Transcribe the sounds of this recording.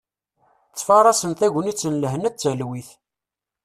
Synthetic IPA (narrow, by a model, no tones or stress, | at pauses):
t͡sːfɑrˤɑsənθæʝənit͡sːənləɦnæt͡sːəlwiθ